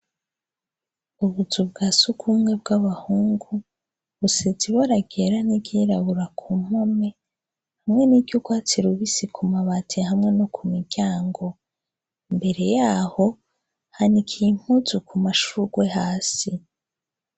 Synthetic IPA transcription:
uβuzubɡaːsukʰumŋe̞bɡaβahuːŋɡu | βuseziβaɾaɡeɾaniɟiɾaβuɾakʰum̥ome̞ | hamŋe̞niɟɟukwat͡siɾuβisikʰumaβatʰihamŋe̞nokʰumiɡɟaːŋɡo̞ | mbe̞ɾe̞jaːho̞ | hanikʰijim̥huzukumaʃuɡ̥we̞haːsi

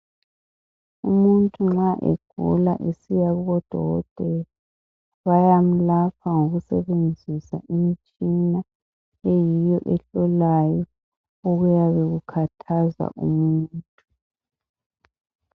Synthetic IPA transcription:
umuntʼuŋ͡ǁaʔḛɡ̥ʱṵla̰ʔesijaβuɣɔd̥ʱɔ̰ɣɔ̰d̥ʱɛ | βajam̩lapʰaŋoɣusɛβend͡zʱisa̰ʔimit͡ʃʼina | ejijɔʔɛɬɔlajɔ | oɣujaβeɣukʰatʰaza̰ʔṵmuːntʼu

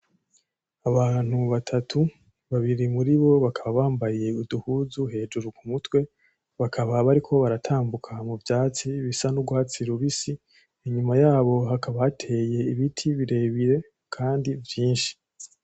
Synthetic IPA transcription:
aβaːn̥huβatʰatʰu | βaβiɾimuɾiβo̞βakʰaβaβaːmbajije̞uduhuːzuɦe̞ːd͡ʒuɾukumutwe̞ | βakʰaβaβaɾikʰo̞βaɾatʰaːmbukʰamuvjaːt͡siβisanuɡwat͡siɾuβisiː | ɲumajaːβo̞ɦakaβahatʰe̞je̞iβitʰiβiɾe̞ːβiɾe̞ | kʰaːndivjiːnʃi̥

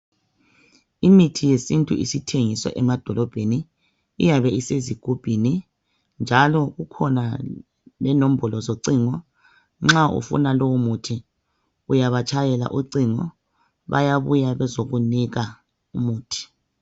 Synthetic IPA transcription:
imitʰijesintʼṵḭsitʰeŋisɔ̰ʔɛmad̥ʱɔlɔb̥ʱenḭː | jaβɛiseziɡ̥ʱub̥ʱini | nd͡ʒʱalɔɣukʰɔna | lɛnom̩bʱɔlɔzoǀiŋɔ | ŋ͡ǁaʔṵfṵnalowumutʰi | ujaβat͡ʃʰʼajɛla̰ʔuǀiŋɔ̰ | βa̰jaβujaβɛzoɣuniɣa | umuːtʰi̥

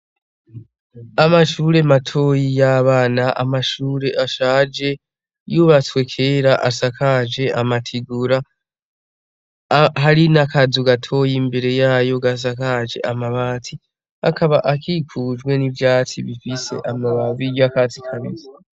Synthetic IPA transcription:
amaʃuːɾe̞matʰo̞ːjijaβaːnaʔa̰maʃuːɾe̞ʔaʃaːd͡ʒe̞ | juβat͡swe̞kʰe̞ːɾaʔasakad͡ʒe̞ʔamatʰiɡuɾa | ɦaɾinakʰazuɡatʰo̞jimbe̞ɾe̞jaːjo̞ɡas̬akad͡ʒe̞̰ʔamaβatʰi | a̰kʰaβaʔakikʰud͡ʒɡwe̞nivjaːt͡siβifise̞̰ʔamaβazijjakaːt͡sikʰaβḭza

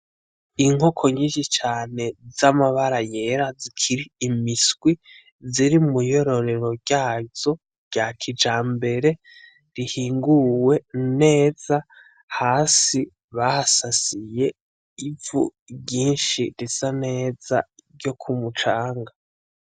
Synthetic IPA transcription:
iŋ̥o̞kʰo̞ɲiːnʃit͡ʃaːne̞zamaβaɾajeɾazikʰiɾiːmisɡwi | ziɾimujo̞ɾo̞ɾe̞ɾo̞ɾɟaːzo̞ | ɾɟakʰid͡ʒaːmbe̞ɾe̞ | ɾihiːŋɡuwe̞ne̞ːz̥a | haːsi | βahasasije̞ | ivṵ | bɟiːnʃiɾesane̞ːz̥a̰ɾɟo̞kʰumut͡ʃaːŋɡa

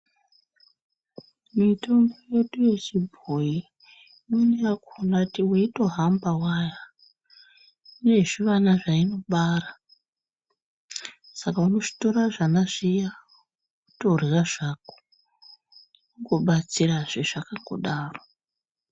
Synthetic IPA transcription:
mito̞ŋɡo̞je̞ɗuje̞t͡ʃibʱoi | moneakonatiweito̞ɦambawaja | une̞ʐiʋanaʐaino̞ɓara | sakauno̞ʐi̥to̞ɾaʐanaʐija | utoriraʐ̥ako̥ | uŋɡo̞ɓat͡siraʐeʐ̥akaŋɡo̰ɗaːro

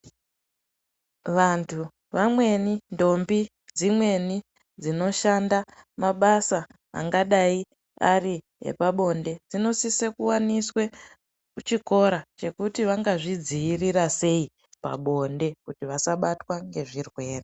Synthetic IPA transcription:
ʋantʰu | ʋamwe̞nindo̞mbi | d͡zimwe̞ni | d͡zino̞ʃandamaɓasa̰ː | ŋɡaɗai | ari | ɦḛpaɓo̞nde̞d͡zino̞sisekuwaniswe | ut͡ʃiko̞ɾat͡ʃe̞kutiʋaŋɡaʐid͡ziːrirase̞i | pa̰ɓo̞nde̞kutiʋasaɓatwaŋɡe̞ʐirwe̞ːre

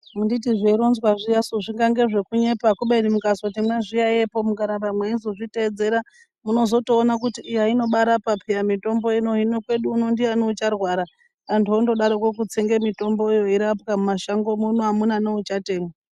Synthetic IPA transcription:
munditiʐeiɾo̞nzwaʐijasoʐiŋɡaŋɡe̞ʐe̞kuɲe̞pakuɓenimukasotimwaʐijaje̞po̞mukaɾabamweizoʐite̞ːd͡ze̞ɾa | muno̞zo̞toːnak̬utiʔːjaino̞ɓaɾapapʰijamito̞mbo̞ino̞inokwe̞ɗuːno̞ndianout͡ʃarwaɾa | antondo̞ɗaɾokok̬ut͡seŋɡemito̞mbo̞jo̞iɾapkamumaʃaŋɡo̞munuamunanout͡ʃate̞ːmwa

